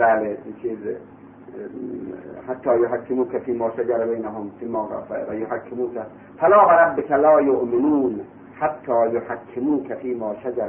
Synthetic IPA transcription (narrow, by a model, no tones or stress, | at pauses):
bæːleint͡ʃʰiːz | hat̪ʰːɑːjoɦakʰːemuːkafiːmɑːʃad͡ʒaɾbejnaɦomfiːmɑːfʋæjoɦakʰːemuːka | falɑːɣaɾˤabːɪkʰalɑːjoʔmɪnuːn | hat̪ʰːɒːjohakʰːemuːkʰafiːmɑːʃad͡ʒaɾ